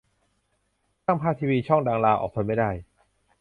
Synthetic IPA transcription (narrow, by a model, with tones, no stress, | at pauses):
t̪aː˥˩ŋpʰaː˥˩t̪ʰiː˧wiː˧t͡ɕʰɔ˥˩ŋdaː˧ŋlaː˧wʔɔ̰ː˨˩k̚pʰa˧jma˥˩jdaː˥˩j